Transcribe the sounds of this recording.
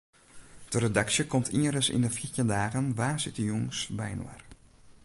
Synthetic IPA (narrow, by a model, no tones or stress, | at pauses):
d̥əɾedaksjəkɔmtʰiəɾəsḭndəfitjəndaːɣənʋaːsɪtəjuŋsbɛ̰jnw̰a̰r